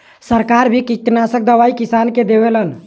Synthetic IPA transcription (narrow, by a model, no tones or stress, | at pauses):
səɾkaɾbʱikit̪nasək̚d̪əβaikisanked̪eʋelən